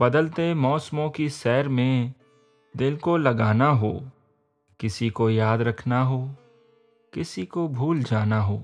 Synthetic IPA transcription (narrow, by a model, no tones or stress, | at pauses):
bɐd̪əlt̪emɔːsmõkiʃɛːɾmẽ | d̪ɪlkolɐɡaːnaɦo̰ː | kɪsikojaːd̪ɾɐkʰnaɦoː | kɪsikobʱuːld͡ʒaːnaɦoː